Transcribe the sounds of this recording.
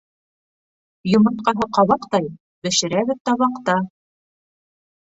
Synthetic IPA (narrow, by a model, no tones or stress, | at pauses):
jŏmɤ̆t̪qɑɦɤqɑβɑqt̪ɑj | bɘ̆ʃɘ̆ɾæβɘ̆ðt̪ɑβɑqt̪ɑ